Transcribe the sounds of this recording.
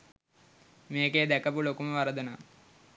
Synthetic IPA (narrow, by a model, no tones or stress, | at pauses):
meːked̪ækəpulokuməʋaɾəd̪əna